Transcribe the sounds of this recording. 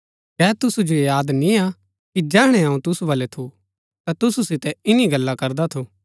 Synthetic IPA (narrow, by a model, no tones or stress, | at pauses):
kɛːt̪ʊsud͡ʒoejaːd̪nĩa | kid͡ʒɛːɦɽ̃ɛɦɐũt̪ʊsubɐlɛt̪ʰu | t̪at̪ʊsusɪt̪ɛɪniɡɐlːakɐɾd̪at̪ʰoː